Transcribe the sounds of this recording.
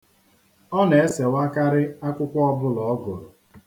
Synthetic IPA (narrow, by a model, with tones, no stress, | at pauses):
ɔ˦ne˨e˦se˨wa˦ka˦ɾɪ˦a˦kʷʊ˦kʷɔ˦ɔ˦bʊ˦lɔ˨ɔ˦ɡʊ˨ɾʊ˨